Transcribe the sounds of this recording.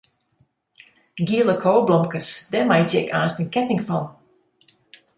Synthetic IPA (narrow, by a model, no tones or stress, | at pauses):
ɡiːlˠəkʰoːblɔ̃mkəsðɛmaɪd͡ʒɪkʰaːˑstə̃nkʰɛtɪ̃ŋfɔ̃n